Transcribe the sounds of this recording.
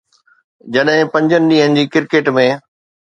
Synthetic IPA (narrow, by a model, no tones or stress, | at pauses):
d͡ʑɐɗɦɪ̃pɐ̃ɲd͡ʑənɪ̆ɗĩːɦənɪ̆d͡ʑiːkɪɾkeːʈmẽ